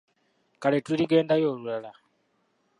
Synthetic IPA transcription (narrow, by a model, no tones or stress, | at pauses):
kaletuliɡe̞ːndajo̞ːlulala